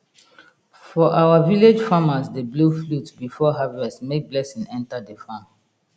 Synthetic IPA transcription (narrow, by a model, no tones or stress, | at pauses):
fɔʔawaviled͡ʒfamasdebloflutbifɔɦavɛstmek̚blɛsĩŋɛ̃ntadefãn